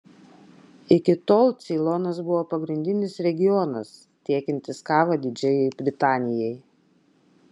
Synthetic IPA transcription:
ɪkʲɪt̪oːlˠt̪sʲiːlˠɔnɐs̬bʊʋoːpɐɡɾʲɪnʲd̪ʲɪnʲɪsɾʲɛɡʲɪjɔnɐs | t̪ʲiɛkʲɪnʲt̪ʲɪskɑːʋɐd̪ʲɪd͡ʒʲɛjɛɪbʲɾʲɪt̪ɑːnʲɪjɛɪj

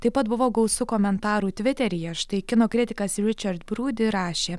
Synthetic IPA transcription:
t̪ɐɪpɐt̪bʊʋoːɡɐʊsʊkoːmʲɛnt̪ɑːɾuːt̪ʲʋʲɪt̪ʲɛɾʲɪjɛʃt̪ɐɪkʲɪnoːkɾʲɪt̪ʲɪkɐsɾʲɪt͡ʃʲɐɾt̪bɾuːd̪ʲɪɾɑːʃʲeː

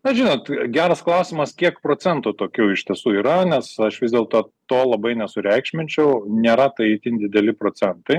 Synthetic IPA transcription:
nɐʒʲɪnoːt̪ɡʲæːɾɐsklˠɐʊsʲɪmɐskʲiɛkpɾoːt͡sʲɛnt̪oːt̪oːkʲuːɪʃʲt̪ʲiɛsuːiːɾɐnʲɛsɐʃʋʲɪzd̪ʲeːlˠt̪oːt̪oːlˠɐbɐɪnʲɛsʊɾʲɛɪkʃʲmʲɪnʲt͡ʃʲɛʊnʲeːɾɐt̪ɐɪit̪ʲɪnd̪ʲɪd̪ʲɛlʲɪpɾoːt͡sʲɛnt̪ɐɪ

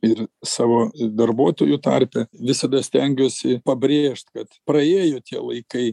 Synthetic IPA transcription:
ɪrsɑːʋoːd̪ɐrbuɔt̪oːjut̪ɑrʲpʲɛʋʲɪsɐd̪ɐsʲt̪ʲɛŋʲɡʲoːsʲɪpɐbʲɾʲeːʃʲt̪ʲkɐt̪pɾɐeːjoːt̪ʲiɛlˠɐɪkɐɪ

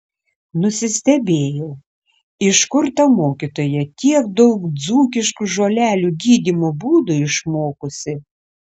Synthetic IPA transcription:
nʊsʲɪsʲt̪ʲɛbʲeːjɛʊ | ɪʃkʊɾt̪ɐmoːkʲit̪oːjɛt̪ʲiɛkd̪ɔʊkd̪zuːkʲɪʃkʊʒoːlʲæːlʲuɡʲiːd̪ʲimoːbuːd̪ʊɪʃmoːkʊsʲɪ

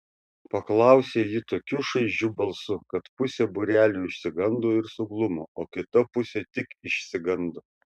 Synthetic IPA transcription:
pɐklˠɐˑʊsʲeːjɪt̪oːkʲuːʃɐɪʒd͡ʒʲuːbɐlˠsʊkɐt̪pʊsʲeːbʊɾʲæːlʲuːɪʃʲsʲɪɡɐnd̪oːɪɾsʊɡlˠʊmoːoːkʲɪt̪ɐpʊsʲeːt̪ʲɪkɪʃʲsʲɪɡɐnd̪o

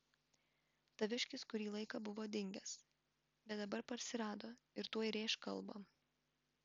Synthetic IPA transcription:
t̪ɐʋʲɪʃʲkʲɪskʊɾʲiːlˠɐɪkɐbʊʋoːd̪ʲɪŋʲɡʲɛs | bʲɛt̪̚d̪ɐbɐɾpɐɾʲsʲɪɾɑːd̪oːɪɾt̪uɔjɪɾʲeːʃkɐlˠbɐ

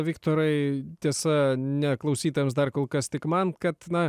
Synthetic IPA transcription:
ʋʲɪkt̪oːɾɐɪt̪ʲiɛsɐnʲɛklˠɐʊsʲiːt̪oːjɛms̬d̪ɐrkoːlˠkɐst̪ʲɪkmɐnkɐt̪nɐ

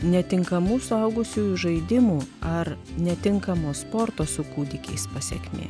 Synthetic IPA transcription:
nʲɛt̪ʲɪŋkɐmuːsʊɐʊɡʊsʲuːjʊʒɐɪd̪ʲɪmuːɐɾ | nʲɛt̪ʲɪŋkɐmoːspoːɾt̪oːsʊkuːd̪ʲɪkʲɛɪspɐsʲɛ̰kʲmʲḛː

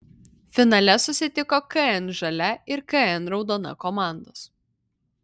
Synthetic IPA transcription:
fʲɪnɐlʲɛsʊsʲɪt̪ʲɪkoːkɐɛnʒɐlʲɛɪɾkɐɛnɾɒʊd̪oːnɐ̰kɔmɑˑnd̪oːs

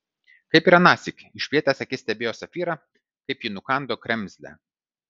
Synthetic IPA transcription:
kɐɪpʲiːɾɐnɑːsʲɪkʲɪʃʲpʲiɛt̪ʲæsɐkʲɪsʲt̪ʲɛbʲeːjoːsɐfʲiːɾɐ | kɐɪpjɪnʊkɑˑnd̪oːkɾʲɛmʲzʲlʲɛ̰

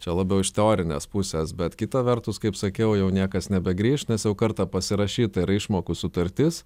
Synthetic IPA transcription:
t͡ʃʲɛlˠɑːbʲɛʊɪʃt̪ʲɛoːɾʲɪnʲḛspʊsʲesbʲɛt̪kʲɪt̪ɐʋʲɛrt̪ʊskɐɪpsɐkʲɛʊjɛʊnʲiɛkɐsnʲɛbʲɛɡɾʲiːʃnʲɛsjɛʊkɐɾt̪ɑpɐsʲɪɾɐʃʲiːt̪ɐɪɾɪʃmoːkusʊt̪ɐɾʲt̪ʲɪs

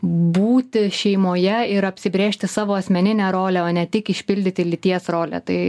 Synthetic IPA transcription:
buːt̪ʲɪʃʲɛɪmoːjɛɪɾɐpʲsʲɪbʲɾʲeːʃʲt̪ʲɪsɑːʋoːɐsʲmʲɛnʲɪnʲæɾoːlʲæoːnʲɛt̪ʲɪkɪʃʲpʲɪlʲd̪ʲɪt̪ʲɪlʲɪt̪ʲiɛsroːlʲɛ̰t̪ɐɪ

